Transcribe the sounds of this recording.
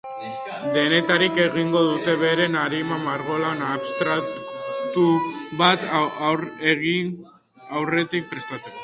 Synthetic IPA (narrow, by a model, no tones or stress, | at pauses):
d̪e̞ne̞t̪aɾike̞ɣiŋɡo̞ðut̪e̞βe̞ɾe̞naɾimamaɾɣo̞laonaβst̪ɾat̪uβat̪weɣi | awre̞t̪ik̚pɾe̞st̪at͡seko